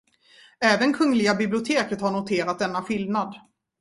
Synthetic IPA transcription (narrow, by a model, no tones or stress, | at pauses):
ɛːvənkʰɵŋːlɪɡabɪblɪʊt̪ʰeːkət̪haɳʊt̪ʰeːɾat̪̚d̪ɛnːaɧɪlnad̪